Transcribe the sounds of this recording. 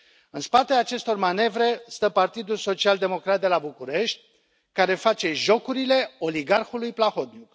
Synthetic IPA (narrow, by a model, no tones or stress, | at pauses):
ɨnspat̪eaːt͡ʃe̞st̪o̞rmane̞vɾe̞st̪əpart̪id̪ulso̞t͡ʃiald̪e̞mo̞kɾat̪̚d̪e̞labukuɾe̞ʃt̪ʲ | kaɾe̞fat͡ʃe̞ʒo̞kuɾile̞o̞liɡarxulujplaxo̞t̪̚nʲuk